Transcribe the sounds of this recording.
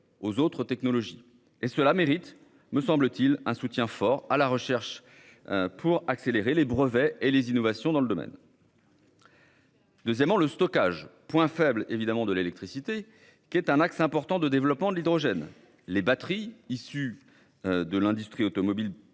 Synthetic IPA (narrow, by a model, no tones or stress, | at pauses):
ozot̪χət̪ɛknɔlɔʒi | esəlameʁit̪ | məsɑ̃blət̪ilɛ̃sut̪jɛ̃fɔʁalaʁəʃɛʁʃ | pʰuʁakseleʁelebʁəvɛelezinɔvasjɔ̃d̪ɑ̃ləd̪ɔmɛ̰n | d̪øzjɛmːɑ̃ləst̪ɔkaʒpwɛ̃fɛblevid̪amɑ̃d̪əlelɛk̚t̪χisit̪e | kʲɛt̪ɛ̃naksɛ̃pɔʁt̪ɑ̃d̪əd̪evlɔpmɑ̃d̪əlid̪ʁɔʒɛn | lebat̪χiisy | d̪əlɛ̃d̪yst̪χiot̪ɔmɔbil